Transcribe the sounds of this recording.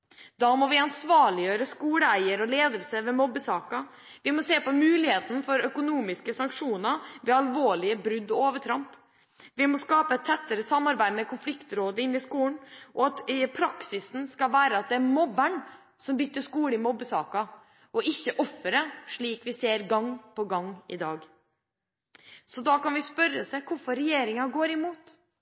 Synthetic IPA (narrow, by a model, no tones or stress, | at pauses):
d̪ɑːmɔʋɪɑnsʋɑːɭɪjøːɾəskuːɽəæɪəɾɔleːd̪əlsəʋɛmɔbːəsɑːkɑ | ʋɪmɔseːpɔmʉːlɪheːt̪n̩fɔɾœkʊnuːmɪskəsɑŋkʂuːnəʋɛɑlʋoːɭɪəbɾʉd̪ːɔoːʋəʈʰɾɑmp | ʋɪmɔskɑːpəɛt̪ʰːɛt̪ːəɾəsɑmːɑɾbæɪd̪mɛkʰʊnflɪkt̪ɾoːd̪əɪnːɪskuːnʔɔɑt̪pʰɾɑksɪsn̩skɑlʋæːɾəɑt̪̚d̪ɛæɾmɔbːəɳ | sɔmbʏt̪ːəʂkuːləɪmɔbːəsɑːkɑ | ʔɔɪçːəʔɔfːəɾəʂɭiːkʋɪseːɾɡɑŋːpɔɡɑŋːɪd̪ɑːɡ | sɔd̪ɑːkɑnʋɪspœɾːəsɛkʰʊɾfɔɾɛjeːɾɪŋɑɡoːɾɪmuːt̪